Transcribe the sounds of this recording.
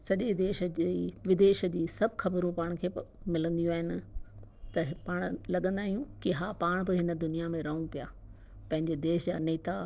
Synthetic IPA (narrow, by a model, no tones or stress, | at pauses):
sɐʄed̪eːʃd͡ʑeʋɪd̪eːʃə̆d͡ʑiːsɐbʱxɐbəɾũpaːɽ̃kʰeːmɪlə̃nd̪ijũaːɦɪnɪ̆ | t̪ɐpaːɽ̃lɐɠə̃nd̪aːɦijũkɪɦaːpaːɽ̃bɪɦɪnə̆d̪ʊnijamẽɾɐɦũpijaː | pɐ̃ɦɪ̃ɲd͡ʑed̪eːʃd͡ʑaːneːt̪a